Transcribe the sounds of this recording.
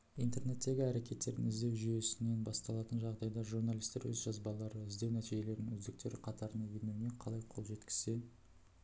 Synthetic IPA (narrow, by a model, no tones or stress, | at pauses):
ijnt̪e̞ɾne̞t̪ːe̞ɡʲɪæɾe̞kʲe̞t̪ːe̞ɾd̪ɪ̰ŋɪzd̪e̞wʒyje̞sɪne̞nbɑst̪ɑlˠɑt̪ənʒɑʁd̪ɑjd̪ɑʒurnalʲˠijst̪e̞ɾwɵ̰zʒɑzbɑlˠɑɾəɪzd̪e̞wnæt̪iʒe̞le̞ɾnɪŋɵzd̪ɪk̚t̪e̞ɾɪqʰɑt̪ɑɾənɑjenune̞qʰɑlˠɑjqʰo̞lˠʒe̞t̪kʲɪ̥z̥e̞